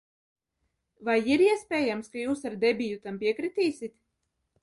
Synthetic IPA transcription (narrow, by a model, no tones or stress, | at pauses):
vajiɾiɛspʲɛːjamskajuːsaɾd̪ɛbʲijut̪ampiɛkɾit̪iːsit̪